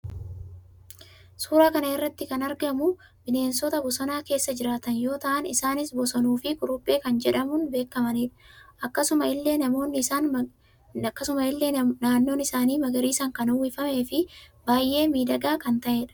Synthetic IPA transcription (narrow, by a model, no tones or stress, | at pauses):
suːɾaːkɐnɐɪrːɐt̪ːɪkɐnɐɾɡɐmʊ | bɪne̞ːnsɔt̪ɐbɔsɔnaːke̞ːsːɐd͡ʒɪɾaːt̪ɐnjo̞ːt̪ɐʔɐnɪsaːnɪsbɔsɐnuːfɪkʊɾʊpʼːe̞ːkɐnd͡ʒɛᶑɐmʊnbe̞ːkːɐmɐniːᶑɐ̥ʔɐkːɐsʊmɐɪlːe̞ːnɐmo̞ːnːɪaːn | kːɐsʊmɐɪlːeːnaːnːo̞ːnɪsaːniːmɐɡɐɾiːsɐŋkɐnʊwːɪfɐme̞ːfɪbaːjʔe̞ːmiːd̪ɐɡaːkɐnt̪ɐʔe̞ːᶑɐ̥